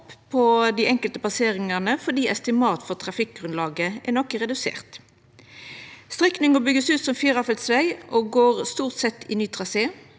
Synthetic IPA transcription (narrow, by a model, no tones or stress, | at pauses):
ppʰɔd̪iːʔɛŋkəlt̪əp̪ɑseːʁɪŋəʁnəfɔʁd̪iːɛst̪ɪmɑːt̪fɔʁt̪ʰʁɑfɪk̚ɡʁʉnlɑːɡəʔɛnɔkːəʁɛd̪ʉsḛːʁt̪ | st̪ʁɛknɪŋəbʏɡəsʉːt̪sɔmfyːʁɑfəlt̪sʋæɪʔoːɡoːʁst̪uːʁt̪sɛt̪ːʰɪnyːt̪ʰʁɑseː